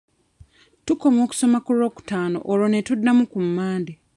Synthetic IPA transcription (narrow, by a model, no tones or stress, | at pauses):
tuko̞mo̞ːku̥so̞makuɾo̞ːku̥taːno̰ʔoɾone̞tudːamukumːaːnde